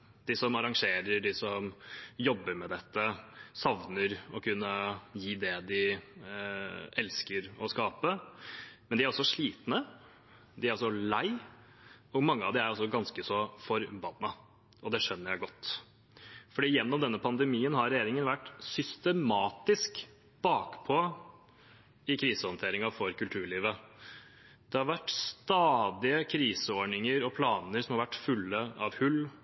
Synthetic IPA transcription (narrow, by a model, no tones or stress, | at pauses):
d̪̥ɪsɔmɑɾɑŋʂeːɾəɖɪsɔmjɔbːəɾmɛd̪ɛt̪ːəsɑʋnəɾɔkʰʉnːəjiːd̪ɛd̪ɪ | ɛlskəɾɔskɑːpə | mɛnd̪ɪæɾɔsːɔʂɭiːt̪nə | d̪ɪæɾɔs̬ɔlæɪ | ɔɡmɑŋːəɑʋd̪ɪæɾɔsːɔɡɑnskəsɔfɔɾbɑnːɑ | ɔd̪ɛʂœnːəɾjæɪɡɔt̪ː | fɔɖiːjɛnːɔmd̪ɛnːəpʰɑnd̪ɛmiːənɦɑɾɾɛjeːɾɪŋənʋæʈːsʏst̪əmɑːt̪ɪsk | b̥ɑːkpʰɔ | ɪkʰɾiːsəhɔnt̪ʰeːɾɪŋɑfɔɾkʉlt̪ʰʉːɭiːʋə | d̪̥ɛhɑɾʋæʈːst̪ɑːd̪ɪəkʰɾiːsəoːɳɪŋəɾɔpʰlɑːnəɾsɔmhɑɾʋæʈːfʉlːəɑʋhʉlː